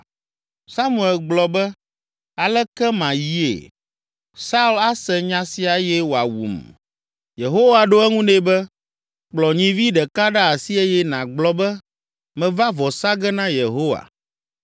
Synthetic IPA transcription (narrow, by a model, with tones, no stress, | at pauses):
sa˦mũ˨ɛ˨lɡ͡blɔ˨bɛ˦ | a˨lɛ˦kɛ˦mã˨ji˦ḛ˨ | sa˦u˦la˦sɛ˨ɲã˦si˦a˨jɛ˦wo˨a˨wṵ˨m | je˨ɦo˦wa˨ɖo˦ɛ˦ŋũ˦ɖe˦bɛ˦ | k͡plɔ˨ɲĩ˨vi˦ɖɛ˨ka˦ɖa˦a˨si˦e˦jɛ˦nã˨ɡ͡blɔ˨˦bɛ˦ | mɛ̃˨va˦vɔ˨sa˦ɡɛ˦nã˦je˨ɦo˦wa̰˨